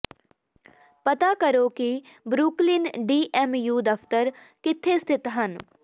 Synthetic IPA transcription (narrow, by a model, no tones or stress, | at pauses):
pət̪aːkəɾoːki | bɾuːklɪnɖiːʔɛmjuːd̪əpʰt̪əɾ | kɪt̪ʰːeːst̪ʰɪt̪ɦən